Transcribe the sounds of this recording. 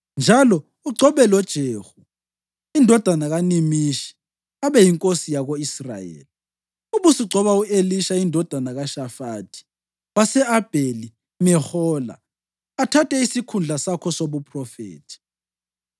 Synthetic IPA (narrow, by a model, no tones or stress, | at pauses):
nd͡ʒʱalɔ | uɡ͡ǀʱɔβɛlɔd̥ʒ̥ʱeːhu | indʱɔd̥ʱanaɣanimiʃi̥ | aβɛjiŋkʼosijaɣoisra̰jḛːli | uβusiɡ͡ǀʱɔβaueliʃaindʱɔd̥ʱanaɣaʃafaːtʰi̥ | wasɛab̥ʱeli | mɛxɔːla̰ | atʰatʼɛisikʰund͡ɮʱasakʰɔsoβupʰrɔfḛːtʰi̥